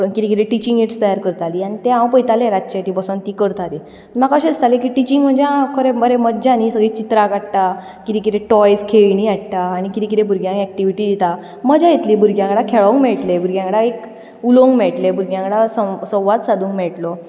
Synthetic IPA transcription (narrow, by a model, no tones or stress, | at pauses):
pəəkit̪ekit̪ẽʈit͡ɕiŋɡeʈst̪əjaɾkəɾt̪aliːañit̪eɦãwpəjt̪aleɾaɕet̪ipəsənt̪ikəɾt̪at̪i | aim̤akaɕest̪alek̬iʈit͡ɕĩŋɡm̤əɳd͡zeãkʰəɾeməɾeməd̪d͡ʑanisəɡɭiːt͡ɕit̪ɾakaɽʈ̪a | kit̪ẽk̬it̪ẽʈɔjskʰeɭɳiaʈʈaːɽikit̪ik̬it̪ebʱuɾɡjãŋkɛk̚ʈiʋiʈiːd̪it̪a | məd͡ʑajet̪liːbʱuɾɡjãkəɽakʰeɭoŋɡmɛɭʈlebʱuɾɡjãŋkəɽaek | uloŋɡmɛɭʈlebʱuɾɡjãkɽasəsɔ̃wʋat̪sad̪ʱũːŋkmɛɭʈlɔ